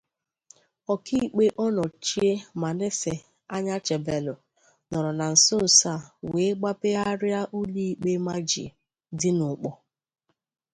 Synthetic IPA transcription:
ɔ˨ki˦˨k͡pe˦ʔɔ˦nɔ˨t͡ʃi˦e˦ma˨ne˦sɪ˨ | a˦ɲa˦t͡ʃe˨be˨lʊ˨ | nɔ˨ɾɔ˨na˨n̩˨sʊ˦n̩˨sa˦˨we˨˦ɡ͡ba˦pe˦a˦ɾɪ˦a˦ʔu˦li˦i˨k͡pe˦ma˦d͡ʒḭ˨ | dɪ˦nʊ˨k͡pɔ˦

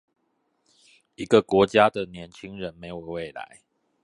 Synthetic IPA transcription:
i˨˦˥ɡə˨kwɔ˧˥t͡ɕja˦d̪ə˨njɛ˨˦nt͡ɕʰi˦ŋɻə˨˦nme˧˦ɪjo˨˩we˥˩ɪla̰˨˦ɪ

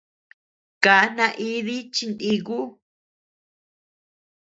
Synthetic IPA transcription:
ka˨˦nã˧ʔi˦ði˦t͡ʃi˧nd̪i˧ku˦

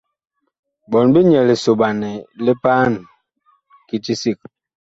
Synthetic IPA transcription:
bɔ˨nbi˦ɲɛ˨le˨so˨ba˨nɛ˨le˦paː˦n | ki˦ti˦si˦˨k̚

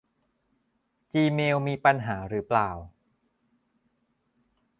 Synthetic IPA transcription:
t͡ɕiː˧meː˧wmiː˧pa˧nɦaː˩˦ɾɯː˩˦˥plaː˨˩w

